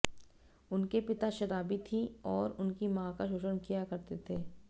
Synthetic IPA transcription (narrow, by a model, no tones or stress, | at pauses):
ʊnkepɪt̪aʃɐɾaːbit̪ʰiɔːɾʊnkimãːkaʃʊːʃənkijakɐɾt̪et̪ʰeː